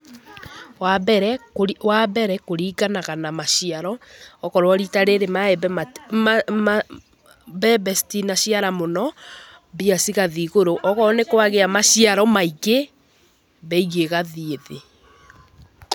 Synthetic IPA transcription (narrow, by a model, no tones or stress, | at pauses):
wabɛɾɛwabɛɾɛkoɾiɣanaɣanamaʃiaɾɔːkɔɾoɔɾitaɾeɾemaɛbɛmamma | bɛbɛstinaɕiaɾamonɔ | βiasiɣaðiɣoɾoʔɔɣɔɔnekowaɣeamaʃiaɾɔmaiɣe | βɛiɣeɣaðieðe